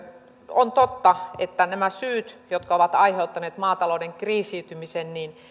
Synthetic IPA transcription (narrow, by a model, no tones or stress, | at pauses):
ont̪ot̪ːɑet̪ːænæmæsyːt̪jot̪̚kɑoʋɑt̪ɑiheut̪ːɑneːt̪mɑːt̪ɑloːdeŋkriːsiːt̪ymisenniːn